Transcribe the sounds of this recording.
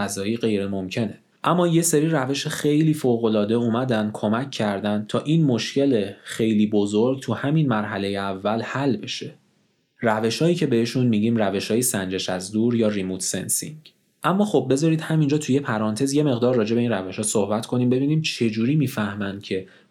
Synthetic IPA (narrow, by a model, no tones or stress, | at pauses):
æzɒːjiːɣe̞jɾemo̞mcʰe̞ne | ʔæmːɒːje̞seɾiːræve̞ʃexe̞jliːfoːɣo̞lɒːd̪e̞uːmæd̪ænd̪̥̚kʰo̞mæcʰːæɾd̪æn̚t̪ʰɒːʔiːnmoʃcʰe̞lexe̞jliːbo̞zoɾɡ̚t̪ʰuhæminmæɾɦæle̞jeævːælhælːbe̞ʃe̞ | ræve̞ʃhɒːjiːcʰe̞be̞heʃunmiɟiːmræve̞ʃhɒːjesænd͡ʒe̞ʃæzd̪uːɾjɒːrimuːt̪ʰsḛnsḭŋɟ | ʔæmːɒːxob̚be̞zɒːɾiːd̪hæmind͡ʒɒːt̪ʰujepʰæɾɒːnt̪ʰe̞zje̞me̞ɣd̪ɒːɾːɒːd͡ʒe̞be̞inræve̞ʃhɒːsohbæt̪ʰkʰo̞niːmbe̞biːniːmt͡ʃʰe̞d͡ʒuːɾiːmiːfæhmænd̪̥cʰe̞